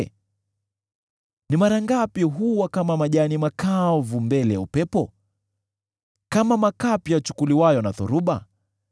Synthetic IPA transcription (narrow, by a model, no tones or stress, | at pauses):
nimaɾaŋɡapiɦuwakamamaʄanimakavumbɛlɛjaupɛpɔ | kamamakapiat͡ʃu̥kuliwajɔnaθɔ̰ɾuɓa